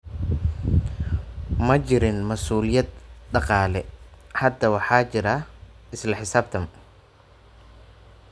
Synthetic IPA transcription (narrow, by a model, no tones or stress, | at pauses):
mɐt͡ʃɪɾɪnmɐsuːlɪjɐd̪ɖɑqɑːlɛhɐd̪ɐwɑħɑːt͡ʃɪɾɐ | ɪslɐħɪsaːb̚t̪ʰɐm